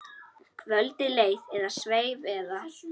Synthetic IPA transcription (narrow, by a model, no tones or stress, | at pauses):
kʰvœlt̪ɪleːjðɛɾðasveːjvɛða